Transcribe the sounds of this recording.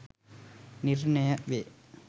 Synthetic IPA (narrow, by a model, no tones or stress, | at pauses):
nirnɐjɐʋeː